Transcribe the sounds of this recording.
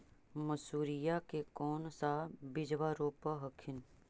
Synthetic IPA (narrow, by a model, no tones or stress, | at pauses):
mɐsuːɾijakekɔːnsabɪd͡ʒʋaɾoːpəɦɐkʰɪn